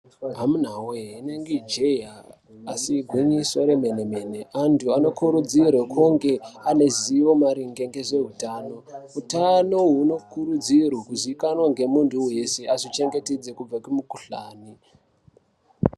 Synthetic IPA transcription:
ɦamun̤awoɦeineŋɡed͡ʒejaː | siɡʱwiɲiswaɾemeneme̞ne̞ʔantʰuano̞kuɾud͡zirwakʰuŋɡe̞ane̞ziʋo̞maɾiŋɡeŋɡe̞ze̞ɦutaːno̞ɦutano̞ɦuno̞kuɾud͡zirwakuziikanwaŋɡe̞muntʰuje̞seazit͡ʃe̞ŋɡe̞ted͡ze̞kub͡vakumukuɬa̰ːni

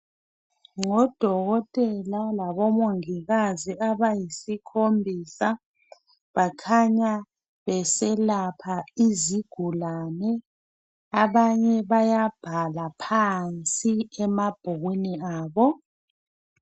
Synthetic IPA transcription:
ŋɔd̥ʱɔɣɔtʼɛlalaβɔmoŋiɣaziaβajisikʰombʱiːsa | βakʰaɲa | βɛsɛlapʰaiziɡ̥ʱulanɛ | aβaɲɛβajab̥ʱalapʰant͡sʼiɛmab̥ʱuɣwiniaːβɔ

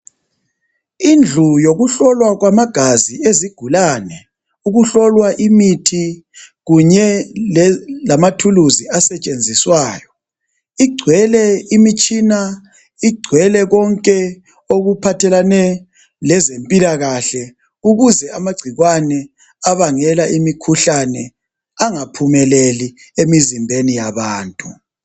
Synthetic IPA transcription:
ind͡ɮʱujoɣuɬɔlwaɣwamaɡ̥ʱazieziɡ̥ʱulaːnɛ | uɣuɬɔlwaʔimitʰi | ɣuɲɛ | lamatʰuluziasɛt͡ʃʼend͡zʱiswaːjɔ | iɡ͡ǀʱwɛlɛimit͡ʃʼina | iɡ͡ǀʱwɛlɛɣɔŋkʼɛ | oɣupʰatʰɛlanɛ | lɛzempʼilaɣaɬɛ | uɣuzɛamaɡ͡ǀʱiɣwanɛ | aβaŋɛlaʔimikʰuɬanɛ | aŋapʰumɛleli | emizimbʱenijaβaːntʼu

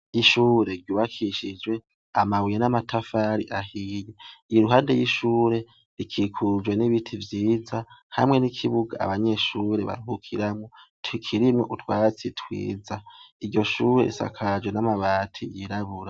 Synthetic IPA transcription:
iʃuːɾe̞ɡɟuːβakʰiʃid͡ʒɡwe̞ | amawijenamatʰafaɾḭʔahijeiɾuɦaːnde̞jiʃuːɾe̞ | ɾikʰikʰud͡ʒwe̞niβitʰivjiːzaha̰mŋe̞nikʰiβuɡa̰ːβaɲe̞ʃuɾe̞βa̰ɾuhukʰiɾamŋotwikʰiɾimŋo̞ʔutwaːt͡sitʰwḭːd͡zaiɟo̞ʃuːɾe̞̰ɾisa̰kʰad͡ʒwe̞namaβaːtʰḭjiɾaβuɾa

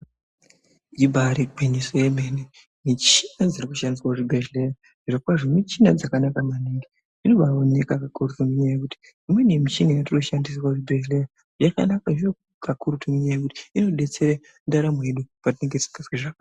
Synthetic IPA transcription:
ibʱaɾiɡʱinisojemene | mit͡ʃi̥nad͡zirikuʃandisiwauʐibʱeʒlera | ʐiʐokwaʐomit͡ʃinad͡zakanakamaniŋɡi | ino̞ɓaone̞kakakurutomuɲajekuti̥ | imwenemit͡ʃinijatiruʃandis̬waʐibʱeʒlera | jaka̰nakaʐijo | kakuɾutomuɲajekuti̥ino̞ɗe̞t͡se̞ɾa | ndaɾamoje̞ɗupatineŋɡeisiŋɡaswiʐaka

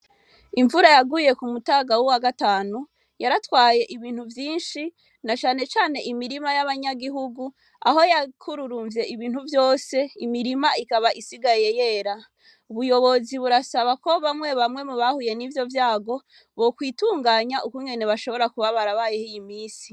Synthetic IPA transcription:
iɱvuɾajaɡuje̞kumutaːɡawuwaɡataːnu | jaɾatwaːje̞ʔiβiːn̥huvjiːnʃi | nat͡ʃaːne̞t͡ʃaːne̞ʔimiɾimajaβaɲaɡiɦuɡu | a̰ɦo̞jakʰuɾuɾuːɱvje̞iβiːn̥huvjo̞ːse̞imiɾimaikaβaʔisiɡaje̞je̞ːɾa | uβujo̞βo̞ziβuɾasaβako̞βamŋe̞βamŋe̞muβahuje̞nivjo̞vjaːɡo̞ | βo̞kwiːtuːŋɡaːɲaʔukuŋɡe̞ne̞βaʃo̞βo̞ɾakuβaβaɾaβaːje̞hijimiːsi̥

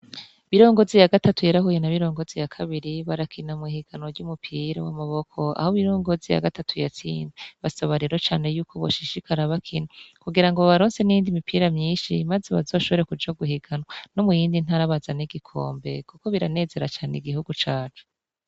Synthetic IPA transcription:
βiɾo̞ːŋɡo̞zijaɡatatujaɾahujenaβiɾo̞ːŋɡozijakʰaβiɾiβaɾakʰinamihiɡ̥anoɾɟumupʰiːɾa̰wamaβo̞kʰo̞a̰hoβiɾo̞ːŋɡo̞zija̰ɡatatʰujat͡sḭːnbeβasoβaɾiɾot͡ʃaːne̞juːkʰo̞βoʃiʃikʰaɾaβakʰinakuɡiɾaŋɡoβaɾoːnse̞nijiːndimipʰiːɾamɲiːnʃimazeβa̰zo̞ːʃo̞βo̞ɾekud͡ʒaɡuhiɡanwono̞mujiːndin̥haɾaβazaniɡikʰo̞̰ːmbe̞̰kuko̞βiɾane̞ːze̞ɾat͡ʃaːneiɡihuɡut͡ʃaːt͡ʃu̥

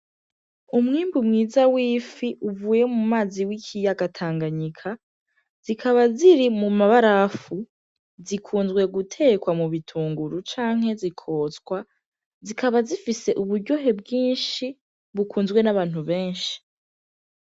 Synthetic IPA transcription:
umŋiːmbumŋiːzawiːfiʔuvuːje̞mumaːziwicʰijaɡatʰaːŋɡaɲikʰa | z̥ikʰaβaziɾimumaβaɾafu | zikʰuːnzɡwe̞ɡutʰe̞ːkwamuβitʰuːŋɡuɾut͡ʃaːŋ̥he̞zikʰo̞ːt͡skwa | zikʰaβazifise̞ʔuβuɾɟo̞ɦe̞bɡiːnʃi | βukuːnzɡwe̞naβaːn̥huβe̞ːnʃi̥

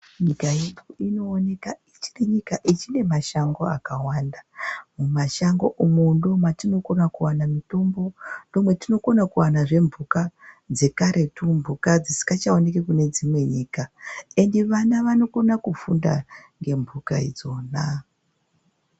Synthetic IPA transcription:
ɲikajeoino̞ːne̞kait͡ʃi̥neɲikaʔit͡ʃine̞maʃaŋɡo̞akawandamumaʃaŋɡo̞̰ʔumundo̞mwatino̞ko̞nakuwanamito̞mbo̞ndo̞mwe̞tino̞ko̞nakuwanaʐe̞mbukad͡ze̞kaɾe̞tumbukad͡zisi̥kɡat͡ʃaone̞kekune̞d͡zimwe̞ɲiːkae̞ndeʋanaʋano̞ko̞nakufunda̰ŋɡe̞mvuka̰id͡zo̞ːna

